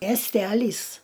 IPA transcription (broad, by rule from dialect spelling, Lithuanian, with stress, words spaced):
mʲiɛsʲˈtʲælʲiːs